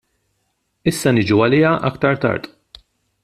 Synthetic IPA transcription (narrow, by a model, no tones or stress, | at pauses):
ɪsːɐnɪd͡ʒuɐlɪːɐʔɐkt̪ɐɾt̪ɐ̰ɾt̪ʼ